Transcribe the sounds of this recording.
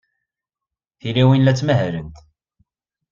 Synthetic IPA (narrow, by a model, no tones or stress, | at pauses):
θiliwinlæt͡sːməɦɾənt̪